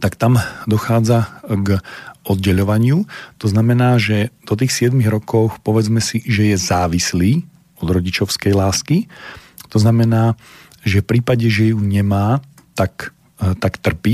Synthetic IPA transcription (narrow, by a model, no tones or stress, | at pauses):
t̪akt̪amd̪ɔxaːd͡zaɡʔɔd̪̚ɟɛʎɔʋaɲɪut̪ɔznamɛnaːʒɛd̪ɔt̪̬iːxsɪɛd̪miɣɾɔkɔʊxpɔʋɛd͡zmɛsiʒɛjɛzaːʋisliː | ɔd̪ɾɔɟit͡ʃɔʊskɛjlaːski | t̪ɔznamɛnaː | ʒɛfpɾiːpaɟɛʒɛjuɲɛmaː | t̪ak | t̪akt̪r̩pi